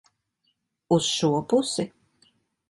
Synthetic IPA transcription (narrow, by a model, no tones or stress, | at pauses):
usʃuɔpusi